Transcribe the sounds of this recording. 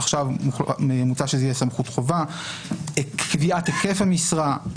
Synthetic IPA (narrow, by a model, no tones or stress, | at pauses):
aχʃavemut͡saʃeijeɛsamχutχo̞va | ekviʔat̪eke̞fhamisʁa